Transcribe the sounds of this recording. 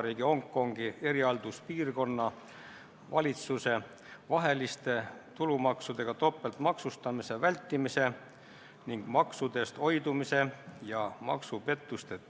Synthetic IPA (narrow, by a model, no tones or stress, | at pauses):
ɾiːɡ̥io̞ŋkːˑo̞ŋɡ̥ie̞ɾiɑld̪̥uspiːrko̞nːɑ | vɑlʲit̪suse̞ | vɑɦe̞list̪e̞t̪ulumɑksud̪̥e̞ɡ̥ɑt̪o̞pːˑe̞lt̪mɑksust̪ɑmise̞vælʲt̪ːˑimise̞ | niŋɡ̥mɑksud̪̥e̞st̪o̞jd̪umise̞jɑmɑ̰ksupe̞t̪ˑːust̪e̞